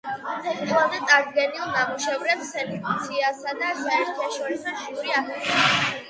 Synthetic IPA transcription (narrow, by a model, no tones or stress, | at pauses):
ɛk̪ʼʰilˠand̪ɛt̪ʼaɾd̪ɡɛnilˠnamuʃɛvɾɛpsɛnikʼat̪sʰiasad̪aʃaɛɾt̪ʰaʃɔɾisɔʃiuɾiakɛsɛ